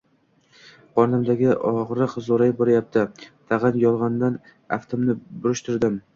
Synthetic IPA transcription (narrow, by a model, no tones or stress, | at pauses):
qʰɒɾnɪmd̪aɡʲɪʔɒʁɾɨqzoɾajbɒɾajap̚t̪ʰɪt̪ʰɑʁɑnjɒlˠʁɑnd̪an | aft̪ʰomnɪbʊɾɪʃt̪ʰʊɾd̪ɪm